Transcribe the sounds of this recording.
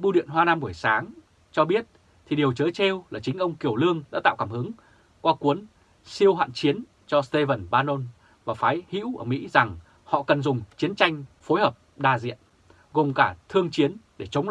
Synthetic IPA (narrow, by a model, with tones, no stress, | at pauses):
ɓu˧ɗḭ˧˨ənɦwaː˧naː˧mɓu˧˩əjsaː˨˦ŋ | t͡ɕɔ˧ɓi˦˥ət̚ | t̪ʰi˨˩ɗi˨˩əwt͡ɕəː˨˦jt͡ɕe˧wlaː˨˩t͡ɕï˨˦ŋ̟ʔə˧wŋ͡mki˧˩əwlɨ˧əŋɗa̰ː˧˥t̪a̰ː˧˨wkaː˧˩mhɨ˨˦ŋ | kwaː˧ku˨˦ən | si˧əwhwa̰ː˧˨nt͡ɕi˨˦ən | t͡ɕɔ˧st̪e˧və˧˩nɓaː˧no˧n | vaː˨˩faː˨˦jhḭ˧˥wʔəː˧˩mḭ˧˥za˨˩ŋ | hɔ̰˧˨kə˨˩nzʊ˨˩ŋ͡mt͡ɕi˨˦ənt͡ɕa˧jŋ̟fo˨˦jhəː˨˩p̚ɗaː˧˩zḭ˧˨ən | ɣo˨˩mkaː˧˩t̪ʰɨ˧əŋt͡ɕi˨˦ənɗe˧˩t͡ɕə˨˦wŋ͡m